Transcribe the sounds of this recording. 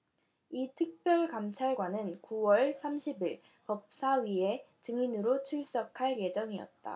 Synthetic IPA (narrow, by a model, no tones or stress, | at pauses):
itʰɯk̚p͈jʌɭkamt͡ɕʰaɭɡwanɯnkuwʌɭsʰamɕʰibiɭ | pʌp̚s͈aɥie̞t͡ɕɯŋinɯɾot͡ɕʰuɭs͈ʌkʰaɭje̞d͡ʑʌŋiʌ̰t̚t͈a̰